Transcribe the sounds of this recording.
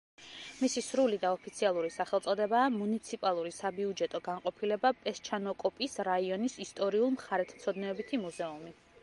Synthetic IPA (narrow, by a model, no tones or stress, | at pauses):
misisɾulid̪aɔpʰit̪sʰialˠuɾisaχɛlˠt̪sʼɔd̪ɛbaːmunit̪sʰipʼalˠuɾisabiud͡ʒɛt̪ʼɔɡanqʼɔpʰilɛbapʼɛst͡ʃʰanɔkʼɔpʼisɾaiɔnisist̪ʼɔɾiulˠmχaɾɛt̪ʰt̪sʰɔd̪nɛɔbit̪ʰimuzɛumi